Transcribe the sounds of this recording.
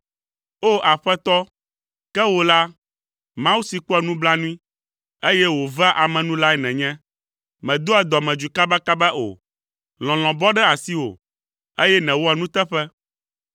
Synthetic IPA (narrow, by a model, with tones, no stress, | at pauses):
o˦ʔa˨ɸɛ˦t̪ɔ˦ | kɛ˦wo˨la˦ | mã˦wu˦si˨kɔ˦ɛ˨nũ˦bla˦nũ˦ĩ˦ | e˦jɛ˦wo˨va˦ʔa˨mɛ̃˨nũ˦la˦ɛ˦nɛ̃˨ɲɛ̃˦ | mɛ̃˨d̪o˦ɛ˨d̪ɔ˨mɛ̃˨d͡ʒu˨ka˦ba˦ka˦bɛ˦ʔo̰˨ | l̃ɔ̃˨l̃ɔ̃˨bɔ˦ɖɛ˦a˨si˦wo̰˨ | e˦jɛ˦nɛ̃˨wo˦ɛ˨nũ˦t̪ɛ˦ɸɛ˦